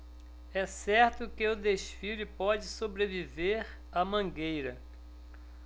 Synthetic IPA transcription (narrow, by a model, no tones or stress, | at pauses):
ɛsɛɾt̪ʊkɪed̪eʃfilʊɪpɔd͡ʒɪsobɾeviveɾ | ɐmɐ̃ɡejɾɐ